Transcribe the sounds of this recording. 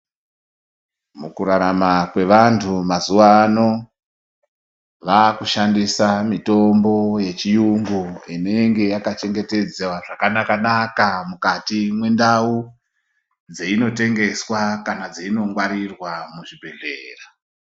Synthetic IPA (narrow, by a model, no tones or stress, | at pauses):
mukuɾaɾamakwe̞ʋantʰumazuwano̞ | ʋakuʃandisamito̞mbo̞je̞t͡ʃijuŋɡuine̞eŋɡe̞jakat͡ʃe̞ŋɡe̞te̞d͡zewaʐakanakanakamukatimwe̞ndau | d͡zeino̞te̞ŋɡe̞swakanad͡zeino̞ŋɡwaɾirwamuʐibʱe̞ɮeːra